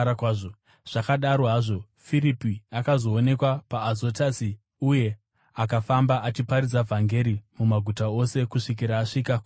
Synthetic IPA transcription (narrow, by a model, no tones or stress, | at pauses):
akwaːʐo | ʐ̥akaɗaɾoɦaːʐo̞ | firipiakazo̞ːne̞kwapaːzo̞tasi | uje̞ | akafambaʔat͡ʃipaɾid͡zavʱaŋɡe̞ɾimumaɡʱutao̞se̞kuʂik̬iɾaːʂikak